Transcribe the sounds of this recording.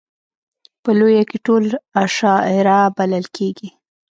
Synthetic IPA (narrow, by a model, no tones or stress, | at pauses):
pəlojakeʈolaʃɑɪɾabalalkʰeɡi